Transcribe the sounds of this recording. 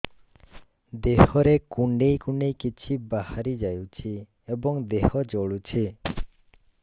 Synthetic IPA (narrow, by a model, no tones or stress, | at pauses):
d̪eɦɔɾekuɳɖejkuɳɖejkit͡ʃʰibahaɾid͡ʒajut͡ʃʰi | ebɔŋd̪ehɔd͡ʒoɭut͡ʃʰi